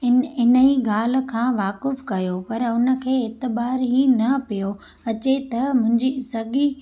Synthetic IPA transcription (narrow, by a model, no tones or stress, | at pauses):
ɪɪnəiɡaːl̤̆kʰãːʋaːkɪfkɐjopɐɾʊnə̆kʰeːɪt̪ɪbaːɾɦinɐpijo | ɐt͡ɕet̪ɐmʊ̃ɦɪ̃ɲd͡ʑisɐɠi